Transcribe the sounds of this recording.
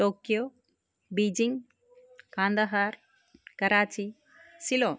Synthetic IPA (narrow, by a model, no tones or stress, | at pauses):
ʈoːkjoː | biːd͡ʒiŋɡ | kaːnd̪ɐɦaːɾ | kɐɾaːt͡ʃi | siloː